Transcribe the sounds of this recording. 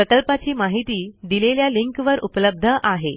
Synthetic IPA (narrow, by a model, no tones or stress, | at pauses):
əkəlpat͡ɕiːmaɦit̪iːd̪ileljaliŋkʋəɾupləb̚d̪ʱəʔaɦe